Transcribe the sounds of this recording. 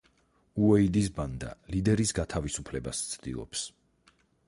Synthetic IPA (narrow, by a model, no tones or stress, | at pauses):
uɛid̪is̬band̪a̰lid̪ɛɾisɡat̪ʰavisupʰlɛbast̪sʰd̪̥ḭlˠɔ̰ps